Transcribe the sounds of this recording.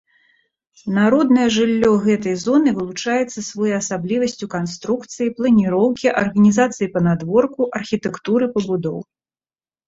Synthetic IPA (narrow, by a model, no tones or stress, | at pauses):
naɾɔd̪nɐjɛʐɨlʲːɔɣɛt̪̬ɐjzɔnɨvɨlˠut͡ʂajɛt̪sːɐsvɔjɐsablʲivɐsʲt͡sʲukanst̪ɾukt̪sɨjiplˠɐnʲiɾɔwkʲiʔɐrɣɐnʲizat̪sɨjipɐnad̪vɔrkuʔɐrxʲit̪ɛkt̪uɾɨpɐbud̪ɔ̰w